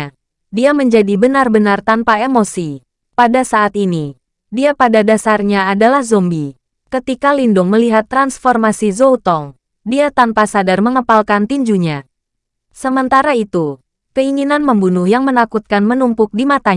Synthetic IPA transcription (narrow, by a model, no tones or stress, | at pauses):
diaməɲd͡ʒadibənarbənart̪anpaemosi | padasaːt̪ini | diapadadasarɲaːdalahzɔmbi | kət̪ikalindʊŋməliɦat̪ːɾansfɔrmasizout̪ɔŋ | diat̪anpasadarməŋəpalkant̪iɲd͡ʒuɲa | səmənt̪aɾait̪u | kəiŋinanməmbunʊhjaŋmənakut̪̚kanmənumpʊk̚dimat̪a